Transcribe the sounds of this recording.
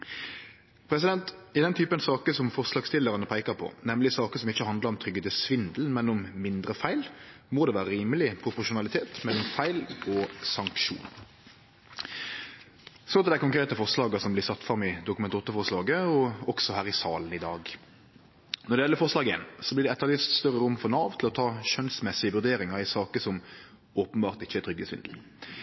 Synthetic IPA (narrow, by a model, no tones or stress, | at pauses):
pʰɾɛs̬ɪd̪ɛnt̪ɪd̪ɛnt̪ʰyːpənsɑːkəsɔmfɔʁslɑːɡst̪ʰɪlːəɾɑnəpʰæɪkəɾpʰɔ̰nɛmlɪsɑːkəsɔmɪçːəhɑnd̪ləʁɔmt̪ʰɾʏɡəd̪əsʋɪnd̪l̩mɛnɔmːɪnd̪ɾəfæɪl | moːd̪ɛʋæːɾəɾiːməlɪpʰɾʊpʊʂʊnɑlɪt̪ʰeːt̪mɛlːɔmfæɪlɔsɑŋkʂṵːn | sɔɑt̪d̪æɪkʊŋkɾeːt̪əfɔʁslɑːɡɑsɔmblɪsɑt̪ːfɾɑmːɪd̪ʊkʉmɛnuːt̪ːəfɔʁslɑːɡəɔɔksɔhæːʁɪsɑːln̩ɪd̪ɑːɡ | nɔɾɖ̪ɛɪjɛlːəfɔʁʂlɑːɡəḛːnsɔblɪʁɖɛɛt̪ːəɾlɪst̪st̪œɾəɾʊmːfɔɾnɑːʋt̪ʰɪlɔt̪ʰɑːʃœnsmɛsɪəʋʉɾd̪eːɾɪŋɑɾɪsɑːkəsɔm | oːpənbɑːʁt̪ɪçːəæɾt̪ʰɾʏɡːhesʋɪ̰nd̪l̩